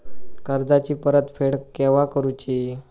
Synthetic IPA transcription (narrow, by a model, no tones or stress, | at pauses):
kəɾd͡zat͡ɕiːpəɾət̪fʰeɽkɛʋakəɾut͡ɕiː